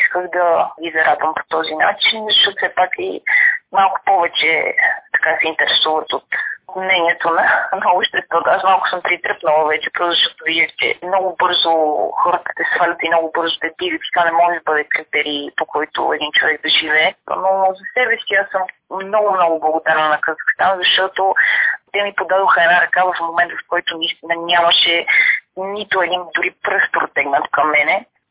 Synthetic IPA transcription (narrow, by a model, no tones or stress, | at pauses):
iskəxd̪ɐɡizɐɾʔad̪vəmpo̥t̪ɔzinat͡ʃinzɐʃɔt̪sɛpakimalˠkʊ̥pɔvɛt͡ʃɛ̰t̪ɐ̥kasɛint̪ɛɾɛsuvət̪ot̪mnɛniɛt̪onɐnɐopʃt̪ɛst̪vɔt̪asmalˠko̥sɤmpɾit̪ɾɤpnəlˠəvɛt͡ʃɛ̥pɾɔzzəʃt̪ɔt̪oviʒəxt͡ʃɛ̰mnɔɡʊbɤɾzoxɔɾət̪ə̥t̪ɛsfalʲət̪imnɔɡʊbɤɾzot̪ɛd̪iɡit̪i̥t̪anɛmɔʒɛd̪ɐbɤd̪ɛkɾit̪ɛɾiːpokɔjt̪ʊ̰ɛ̰d̪int͡ʃovɛɡ̚d̪ɐʒivɛnozɐsɛbɛsiasɤmːnɔɡʊmnɔɡʊblˠəɡʊd̪aɾnnɐkɐzɐxkst̪anzɐʃt̪ɔt̪ot̪ɛmipod̪ad̪oxəɛnaɾɐkavɐfmomɛnt̪vɐfkɔjt̪ʊnɐist̪inɐnʲamɐʃɛ | nit̪ʊɛd̪ind̪ʊɾipɾɤfpɾot̪ɛɡnət̪kɐmːɛnɛ